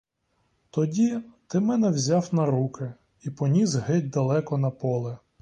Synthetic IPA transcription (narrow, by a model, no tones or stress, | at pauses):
t̪ɔdʲit̪ɪmɛnɛwzʲawnɐɾukɪ | ipɔnʲizɦɪd̚ʲd̪ɐlˠɛkɔnɐpɔlˠɛ